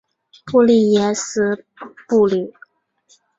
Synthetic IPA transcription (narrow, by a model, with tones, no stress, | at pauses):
pu˥˧li˥˩jɛ˧˥sɹ̩˧˥ | pu˥˧li˨˩˦